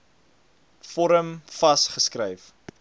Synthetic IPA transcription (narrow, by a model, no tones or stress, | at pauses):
fɔɾəmfɐsχəskrəjf